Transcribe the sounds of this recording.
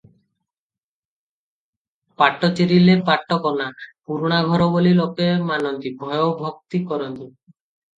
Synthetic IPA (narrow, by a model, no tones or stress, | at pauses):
paʈːot͡ɕeɾilepaʈːɔkɔnapuɾuɽ̃aɡʱɔɾobolilokemanɔnt̪ibʱɔjobʱok̚t̪ikɔɾɔnt̪i